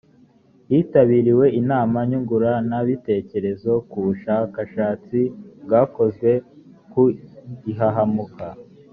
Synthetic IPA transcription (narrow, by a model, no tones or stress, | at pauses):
jiːtaβiːɾiwe̞inaːmaɲuɡuɾanaβite̞ːce̞ɾe̞zo̞kuβuʃaːkaʃaːt͡sibɡaːko̞ze̞ | kuiɦaɦamukʰa